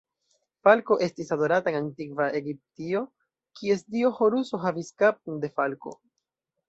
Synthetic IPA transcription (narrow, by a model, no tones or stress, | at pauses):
falko̞ʔe̞stisado̞ɾataeŋantikvae̞ɡip̚tio̞ | kʰie̞sdio̞ho̞ɾuso̞ɦaviskap̚tunde̞falko̞̰